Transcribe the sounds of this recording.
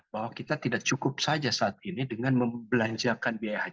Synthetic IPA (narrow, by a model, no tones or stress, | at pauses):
baɦwakit̪at̪idak̚t͡ʃukʊp̚sad͡ʒasaːt̪̚inidəŋanməmbəlaɲd͡ʒakanbiajahaɲ